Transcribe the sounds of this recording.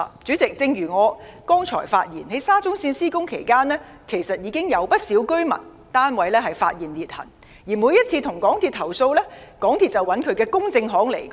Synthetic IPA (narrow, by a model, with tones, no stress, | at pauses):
t͡syː˨˥t͡sɪ˨k̚t͡sɪ˧ŋjyː˨˩ŋɔː˨˧kɔː˥ŋt͡sʰɔ̰ː˨˩jfa̰ː˧t̚jiː˨˩nhe˨˥jsaː˥t͡sʊ˥ŋsiː˧nsiː˥kʊ˥ŋkʰe˨˩jkaː˥nlɛː˥ | kʰe˨˩jsɐ˨t̚jiː˨˧kɪ˥ŋjɐ˨˧wpɐ˥t̚siː˨˥wkɵ˥ɥmɐ̰˨˩n | t̪aː˥nwɐ˨˧jlɛː˥ɦɐ˨jfa̰ː˧t̚jiː˨˩nliː˨t̚hɐ̰˨˩n | jiː˨˩mu˨˧jɐ˥t̚t͡sʰiː˧t̪ʰʊ˨˩ŋkɔː˨˥ŋt̪ʰiː˨t̪ʰɐ˨˩wso˧wlɛː˥kɔː˨˥ŋt̪ʰiː˨t̚t͡sɐ˨˩wɐ˨˥nkʰɵ˨˧ɥkɛː˧kʊ˥ŋt͡sɪ˧ŋɦɔː˨˥ŋlḛ˨˩j